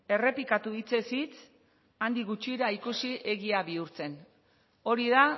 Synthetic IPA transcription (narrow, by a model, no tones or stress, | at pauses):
e̞re̞pikat̪uit͡se̞sit͡s | and̪iɣut͡ʃiɾaikusiʔe̞ɣiaβiuɾt͡se̞n | o̞ɾiða